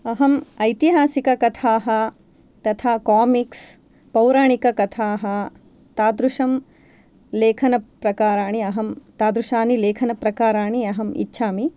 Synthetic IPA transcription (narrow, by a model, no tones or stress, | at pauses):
ɐɦɐmɐjt̪iɦaːsikɐkɐt̪ʰaːɦɐ̆ | t̪ɐt̪ʰaːkaːmiks | pɐwɾaːɳikɐkɐt̪ʰaːɦɐ | t̪aːd̪ɾuʂɐm | leːkʰɐnɐpɾɐkaːɾaːɳ̃iɐɦɐmt̪aːd̪ɾuʃaːnileːkʰɐnɐpɾɐkaːɾaːɳiɐɦɐmḭtːʃʰaːmi